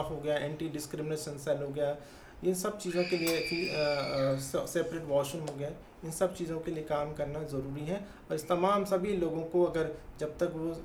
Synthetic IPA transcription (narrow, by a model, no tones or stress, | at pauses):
fɦoɡɐjaʔɛ̃ːɳʈiɖɪskɾɪmɪneːʃə̃nsɛlɦoɡɐjaː | ɪsɐb̚t͡ʃiːzõkeliekʰi | seːpɾeːʈʋɔːʃə̃mɦoɡɐja | ɪnsɐb̚t͡ʃiːzõkeliekaːmkɐɾnazɐɾuːɾiɦɛ̃ | ɔːɾɪst̪ɐmaːmsɐbʱiloːɡõkoɐɡəɾd͡ʒɐb̚t̪ɐkʋo